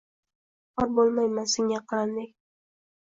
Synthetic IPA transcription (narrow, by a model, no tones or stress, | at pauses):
qɒɾbolˠmajmansɪŋʲaqʰɨland̪ɪkʲ